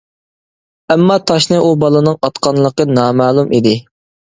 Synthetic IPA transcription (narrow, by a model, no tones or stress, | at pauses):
ɛmːɑt̪ʰɑʃnɨʔubɑlˠɨnɨŋɑt̪qɑnlˠəqənɑːmæːlˠumʔid̪ɪ